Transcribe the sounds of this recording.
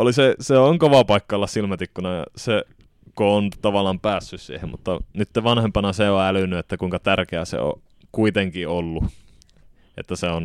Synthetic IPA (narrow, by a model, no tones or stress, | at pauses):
oliseseoŋkoʋɑpɑikːɑolːɑssilmæt̪ikːunɑjɑ̰se | koont̪ɑʋɑlˑɑmpæːsːyssḭːhemmṵt̪ːɑnyt̪ːeʋɑnhempɑnɑseoælynːˑyet̪ːækuiŋkɑt̪ærkeæsḛo̰ | kuit̪eŋkiolːu | ḛt̪ːæseon